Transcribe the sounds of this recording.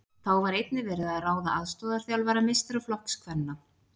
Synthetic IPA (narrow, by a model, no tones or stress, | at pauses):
θawvaɾejt̪nɪvɛːɾɪðaðraːwðaʔaðst̪ɔːðaɾ̥θjawlvɛːɾamɪst̪ɾaflɔhkskʰvɛnːa